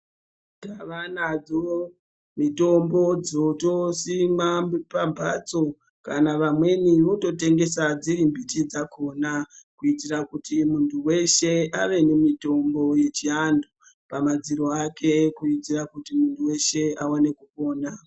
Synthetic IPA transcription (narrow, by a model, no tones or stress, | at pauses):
taʋanad͡zo | mito̞mbo̞d͡zotosimapambʱat͡so̞ | kanaʋamwe̞niʋoto̞te̞ŋɡe̞sad͡ziɾimbitid͡zako̞nakuitirakutimuntʰuwe̞ʃe̞aʋe̞nemito̞mbo̞je̞t͡ʃiando | pamad͡ziɾoakʰe̞kuitirakutimuntʰuwe̞ʃe̞awane̞kupo̞ːna